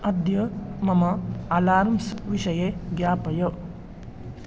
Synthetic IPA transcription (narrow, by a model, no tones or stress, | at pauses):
ɐd̪jɐmɐmɐɐlaːɾmsʋiʃɐjeɡjaːpɐjɐ